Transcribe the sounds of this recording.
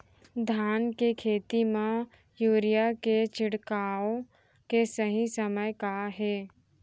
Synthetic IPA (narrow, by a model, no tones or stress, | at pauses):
d̪ʱaːnkekʰeːt̪imẽ | juːɾijaket͡ʃɪɽkaːo | kesəɦĩsəməjkaɦɛː